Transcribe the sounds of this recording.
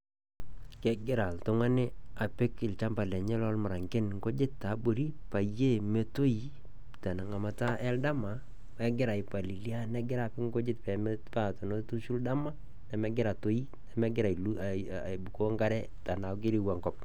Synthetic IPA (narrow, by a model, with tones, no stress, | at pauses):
kɛ˦ɡɪ˦ɾa˨ltʊ˦ŋa˦nɪ˦a˨pɪ˦kɪ˨lt͡ʃa˦mba˨lɛ˨ɲɛ˦lɔ˦lmʊ˨ɾa˨ŋɡɪ˦nŋɡo˦d͡ʒɪ˦tːa˨˦bo˨ɾi˦pa˨je˦˨me˦to˦i˨ | ta˨na˨ŋa˨ma˨ta˦ʔɛ˦lda˦ma˨ | wɛ˦ɡɪ˦ɾa˨i˨pa˨li˨lja˦nɛ˦ɡɪ˦ɾa˨pɪ˦ŋɡo˦d͡ʒɪ˦t̚pɛ˨mɛ˦pa˦to˨no˦tu˦ʃu˦lda˦ma˦ | na˨mɛ˦ɡɪ˦ɾa˨to˦i˦ | nɛ˨mɛ˦ɡɪ˦ɾa˨i˨lu˦˨bu˨ko˦ŋɡa˦ɾɛ˦ | ta˨na˨˦ɡɪ˦ɾi˦wa˨ŋɡɔ˦p̚